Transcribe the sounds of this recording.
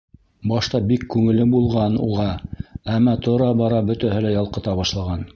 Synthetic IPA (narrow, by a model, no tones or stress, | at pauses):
bɑʃt̪ɑbikːʉŋɘ̆lɘbulˠʁɑnṵʁɑæmːæt̪ŏɾɑbɑɾɑbɵ̆t̪æhɘlæjɑlˠqɤ̆t̪ɑβɑʃlˠɑʁɑn